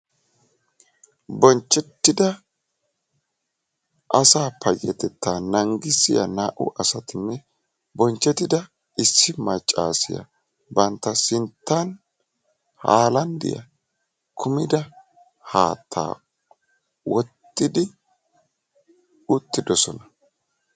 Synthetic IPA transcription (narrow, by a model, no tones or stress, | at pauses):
bɔnt͡ʃːɛt̪ːɪd̪ɐ | ʔɐsaːpɐjɛt̪ɛt̪ːaːnɐŋɡɪsɪ̰jɐ̰naːʔʊ̰ʔɐsɐt̪ɪnːɛ | bɔnt͡ʃːɛt̪ːɪd̪ɐ | ʔɪsːɪmɐt͡ʃʼːa̰ːsɪjɐ̰ | bɐnt̪ːɐsɪnt̪ːɐn | haːlɐnd̪ɪ̰jɐ̰ | kʰʊmɪd̪ɐ | haːt̪ʰːa̰ː | wɔt̪ːɪd̪ɪ | ʊt̪ːɪd̪ɔsɔnɐ